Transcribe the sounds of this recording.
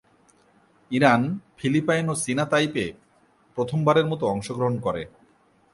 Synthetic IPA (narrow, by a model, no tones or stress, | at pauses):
iɾanfʰilipajnosinat̪ajpe | pɾot̪ʰombaɾeɾmɔt̪oɔŋʃoɡɾoɦonkɔɾḛ